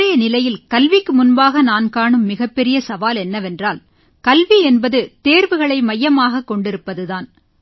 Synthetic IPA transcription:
ɐjɐnɪlɐjɪlkɐlʋɪkːɯmʊnbaːɣɐnaːnkaːɳɯmːɪɣɐpːɛɾɪjɐsɐʋaːlɛnːɐʋɛndraːl | kɐlʋiɛnbɐðɯt̪eːɾʋɯɣɐɭɐɪmɐjːɐmaːɣɐkːɔɳɖɪɾɯpːɐðɯðaːn

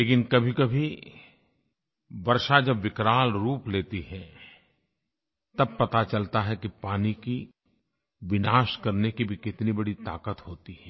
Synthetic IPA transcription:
leːkɪnkɐbʱikɐbʱi | bɐɾʃad͡ʒɐbʋɪkɾaːlɾuːpleːt̪iɦɛ | t̪ɐb̚pɐt̪at͡ʃɐlt̪aɦɛkipaːniki | ʋɪnaːʃkɐɾnekibʱikɪt̪nibɐɽit̪a̰ːkət̪hoːt̪iɦɛː

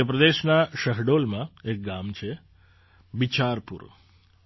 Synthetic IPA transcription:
əpɾəd̪eʃnaʃəɦɖolmãek̚ɡamt͡ʃʰe | bit͡ʃaɾpṵɾ

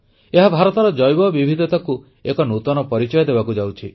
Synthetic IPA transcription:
eɦabʱaɾɔt̪ɔɾɔd͡ʒɔjbɔbibʱid̪ʱɔt̪aku | ekɔnut̪ɔnɔpɔɾit͡ʃɔjɔd̪ebakud͡ʒawt͡ʃʰi

